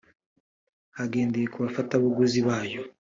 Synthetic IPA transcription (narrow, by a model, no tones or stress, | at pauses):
aɡe̞ːndejekuβafataβaɡuziβaːjo̞